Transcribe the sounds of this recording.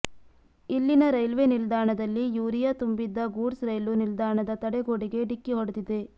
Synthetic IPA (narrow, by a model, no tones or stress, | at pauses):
ilːinɐɾɐjlʋenild̪aːɳɐd̪ɐlːijuːɾijɐt̪umbid̪ːɐɡuːɖsɾɐjlunild̪aːɳɐd̪ɐt̪ɐɽɛɡoːɽiɡe̞ɖikːiɦɔɽɐd̪id̪e̞